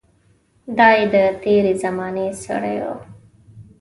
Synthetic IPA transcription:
d̪ɑːed̪ət̪eɾezɐmɑːnesa̰ɽajo̰

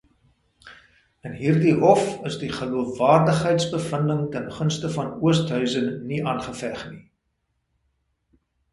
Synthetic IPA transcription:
ənɦiːrdiɦɔfəsdiχəluəfvɑːrdəχɦəjtsbəfəndəŋtənχənstəfɐnuəstɦœɥzənːiʔɑːnχəfæχni

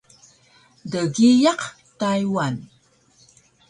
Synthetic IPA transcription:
dəɣijəq | tajwan

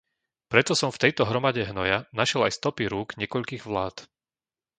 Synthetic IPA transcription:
pɾɛt̪ɔsɔmft̪ɛjt̪ɔɦɾɔmaɟɛɦnɔjanaʃɛlajst̪ɔpiɾuːɡɲɛkɔʎkiːɣʋlaːt̪

